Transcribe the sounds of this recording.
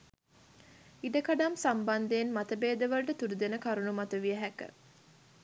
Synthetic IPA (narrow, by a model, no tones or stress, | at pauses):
iɖəkaɖamsamband̪eːnmat̪əbeːd̪əʋəlʈət̪uɾud̪enəkaɾunumat̪əʋijəɦækə̰